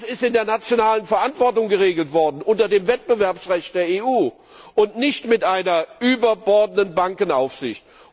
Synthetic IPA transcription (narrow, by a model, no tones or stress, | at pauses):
sɪstɪndeːɐnat͡sjonaːlənfɛɐʔantv̥ɔɐtʊŋɡəʁ̞eːɡl̩tv̥ɔɐdn̩ʔʊntɐdeːmvɛt̚b̥əvɛɐpsʁɛçt̚d̥eːɐeːuː | ʔʊntnɪçtmɪtʔaɪnɐʔyːbɐbɔɐdənənbaŋkənaʊfz̥ɪ̰çt